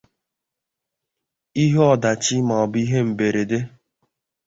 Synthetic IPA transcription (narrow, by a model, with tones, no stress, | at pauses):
i˦ɦe˦ɔ˨da˨t͡ʃi˦ma˨ɔ˨bi˦ɦe˦m̩˨be˨ɾe˨de˦